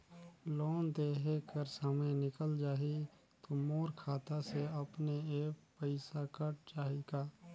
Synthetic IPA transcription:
loːnd̪eːɦekəɾsamenɪkəld͡ʒaːɦi | t̪omoːɾkʰaːt̪aseɐpneeːkpəɪsakəʈt͡ʃaːɦiɡaː

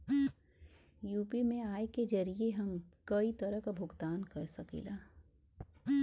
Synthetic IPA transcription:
juːpimẽaːeked͡ʒɐɾieɦɐmkɐit̪ɐɾəɦkabʱʊɡt̪aːnkɐɾsɐkḭːlaː

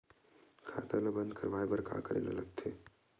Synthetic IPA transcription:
kʰa̰ːt̪alɐbənd̪ʱkʰəɾʋaːjbɐɾka̰ːkəɾḛːlə̰ləɡt̪ʰeː

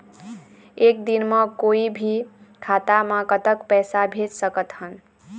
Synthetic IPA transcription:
ek̚d̪inməkoibʱikʰat̪aməkət̪əkpɛjsabʱed͡ʒsəkət̪hən

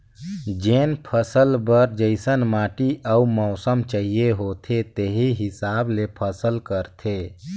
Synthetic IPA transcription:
d͡ʒeːnpʰəsəlbəɾd͡ʒəɪsənmaːʈiʔəumɔʊsəmt͡ʃəɦijeɦot̪ʰet̪eɦiɦɪsaːblepʰəsəlkəɾt̪ʰe

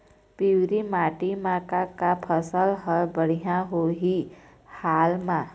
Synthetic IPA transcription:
piwɾimaːʈimãkakapʰəsəlɦəbəɽ̤ijãɦoɦi | haːlmã

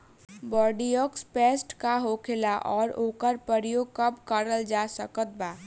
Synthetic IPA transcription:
bɔːɾɖijɔkspeːsʈkaɦoːkʰelaʔɔːɾoːkəɾpəɾjoːɡ̚kəpkəɾəld͡ʒasəkət̪̚baː

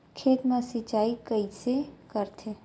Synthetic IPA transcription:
kʰeːt̪mẽsit͡ʃaːikəisekəɾt̪ʰe

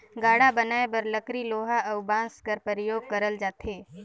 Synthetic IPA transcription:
ɡaːɽabənaːebɐɾləkɾiloːɦaəʊbãːskəɾpəɾəjoːɡ̚kɐɾəld͡ʒaːt̪ɦeː

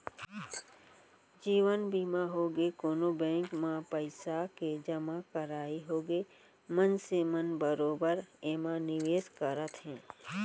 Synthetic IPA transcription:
d͡ʒiːʋənbiːmaɦoːɡekoːnobɛ̃ːŋkmãpəɪsaked͡ʒəmakəɾaːiɦoːɡe | mənsemənbəɾoːbəɾemanɪʋeːskəɾət̪ɦɛ̃ː

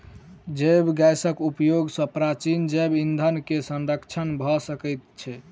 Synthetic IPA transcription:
d͡ʒebɡajsəkupjoɡsə̃pɾat͡ʃind͡ʒebind̪ʱənkesənɾəkt͡ʃʰənbʱɔsəkəjt̪̚t͡ʃʰɛ

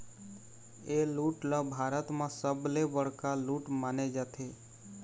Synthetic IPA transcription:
eluʈləbʱaːɾət̪mãsəblebəɽ̤kaluʈmaned͡ʒat̪ʰe

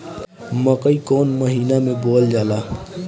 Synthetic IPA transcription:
məkəikoːnməɦiːnamẽboːld͡ʒaːlaː

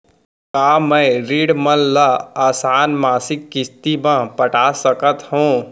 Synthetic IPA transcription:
kaːmɛ̃ːɾiːɽməlːaaːsaːnmaːsɪkːɪst̪imãpəʈasəkət̪hõː

